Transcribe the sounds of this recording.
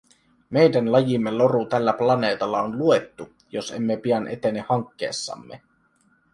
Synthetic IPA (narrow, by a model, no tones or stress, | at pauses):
me̞jdænlɑjimːelo̞ɾut̪ælːæplɑne̞ːt̪ɑlːɑonlue̞t̪ːu | jose̞̰mːepiɑnʔet̪e̞nehɑŋkːḛːsːɑ̰mːe